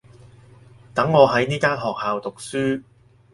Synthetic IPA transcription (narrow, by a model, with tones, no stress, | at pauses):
t̪ɐ˨˥ŋːɔː˨˧ɦɐ˨˥jniː˥kaː˥nɦɔː˨k̚haː˨wt̪ʊ˨k̚syː˥